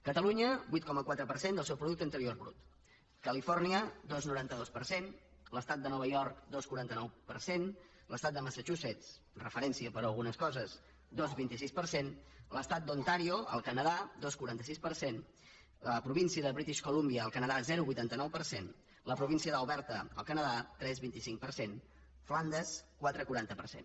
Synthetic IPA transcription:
kət̪əluɲəbuit̪̚kɔməkwat̪ɾəpəɾsend̪əlˠsɛwpɾuðuk̚t̪ənt̪əɾioɾβɾṵt̪ | kəlifɔrniəd̪ɔznuɾant̪əðospəɾsen | ləst̪at̪̚d̪ənɔβəʎɔɾkd̪oskuɾant̪ənɔwpəɾsen | ləst̪at̪d̪əməsət͡ʃusɛt͡s | rəfəɾɛnsiəpəɾəlˠɣunəskɔzəs | d̪ozβint̪isispəɾsenləst̪at̪̚d̪ont̪aɾioə̰lˠkənəðad̪oskuɾant̪əsispəɾsen | ləpɾuβinsiəðəβɾit̪iʃkulumbiəːlˠkənəðazɛɾuβujt̪ant̪ənɔwpəɾsen | ləpɾuβinsiəðəuβɛɾt̪əə̰lˠkənəðat̪ɾɛzβint̪isiŋk̚pəɾsen | fland̪əskwat̪ɾəkuɾant̪əpəɾsḛn

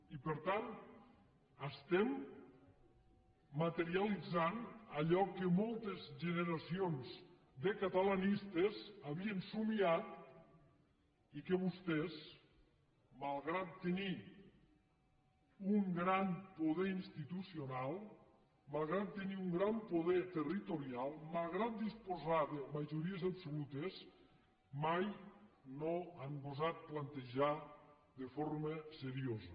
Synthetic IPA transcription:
ipəɾt̪an | əst̪ɛm | at̪eɾialid͡zanəʎɔkəmolˠt̪ezʒəneɾasionz | d̪əkat̪alanist̪ezaβiensumiat̪ | ikəβust̪ɛz | malˠɣɾat̪ːeni | uŋɡɾampoðɛinst̪it̪usionalˠ | malˠɣɾat̪̚ːeniuŋɡɾampoðɛt̪erit̪oɾjalˠmalˠɣɾat̪̚d̪ispozaðemaʒuɾiezapsolut̪es | majnoampozat̪̚plant̪eʒa | ðefoɾməseɾiozə

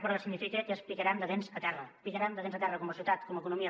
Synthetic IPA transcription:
pɾəsiɡnifikekəspikəɾand̪əðenzət̪ɛrəpikəɾand̪əðenzət̪ɛrəkɔməsiut̪at̪kɔməkunumiə

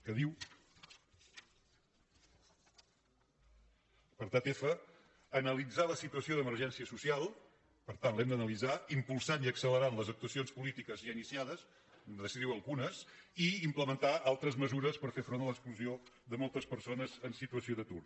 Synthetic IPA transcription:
kəðiw | pəɾt̪at̪efəː | nəlid͡zaləsit̪uəsioðəməɾʒɛnsiəsusialˠ | pəɾt̪anlɛmd̪ənəlid͡zaimpulˠsaniəksələɾanləzək̚t̪uəsionspulit̪ikəzʒainisiaðəs | ðəsiðiwəlˠɣunəsiimpləmənt̪aʔalˠt̪ɾəzməzuɾəspəɾfefɾonələkskluzioðəmolˠt̪əspəɾsonəzənsit̪uəsioðət̪ur

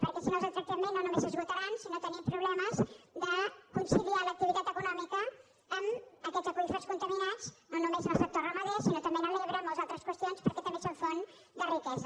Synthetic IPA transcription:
pəɾkɛsinozat̪ɾək̚t̪imenːonumesəzɣut̪əɾansinot̪ənimpɾuβlɛməzd̪əkunsilialək̚t̪iβit̪at̪əkunɔmikəː | məkɛzəpɾuusoɾskunt̪əminat͡snonumeznəlˠsɛt̪orəməðesinot̪əmbenəliəβɾɛməlˠzalˠt̪ɾəskwəst̪ionspəɾkɛt̪ɐmbesoɱfon | d̪ərikɛs

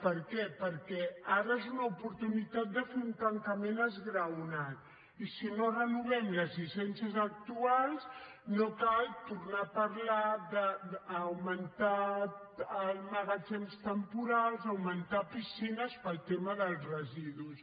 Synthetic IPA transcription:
pəɾkɛpəɾkɛaɾəezunəupuɾt̪unit̪at̪̚d̪əfeunt̪əŋkəmenəzɣɾəwnat̪̚ | isinorənuβɛmləzlisɛnsiəzək̚t̪ualˠz | nokalˠt̪uɾnapəɾlaðəːwmənt̪a | əlməɣad͡ʒemst̪əmpuɾalˠzəwmənt̪apisinəspəlˠt̪eməðəlˠzrəziðus

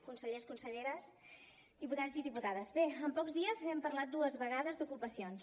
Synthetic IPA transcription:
kunsəʎeskunsəʎeɾəs | d̪iput̪aziðiput̪aðəzβeəmpɔɡzðiəzɛmpəɾlat̪̚d̪uəzβəɣ̞aðəzd̪ukupəsions

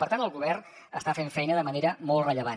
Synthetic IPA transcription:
pəɾt̪antəlˠɣuβɛrn | əst̪afeɱfɛjnəðəməneɾəmɔlˠt̪rəʎəβa

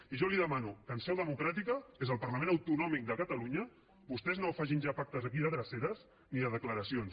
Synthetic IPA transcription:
iʒɔliðəmanukənsɛwðəmukɾat̪̬ikəezəlˠpəɾləmẽnəwt̪unɔmik̚d̪əkət̪əluɲə | bust̪ɛznowfaʒinʒapak̚t̪əzəkiðəðɾəseɾəs | niðəðəkləɾəsions

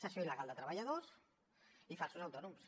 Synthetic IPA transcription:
səsjoiləɣalˠd̪ət̪ɾəβəʎaðos | ifalˠsuzawt̪ɔnums

